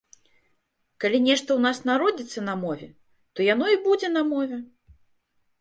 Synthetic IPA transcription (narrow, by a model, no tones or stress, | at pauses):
kalʲinʲɛʂt̪ɐwnasnaɾɔd͡zʲit̪sːɐnɐmɔvʲɛ̰ | t̪ɔjanɔibud͡zʲɛnɐmɔvʲɛ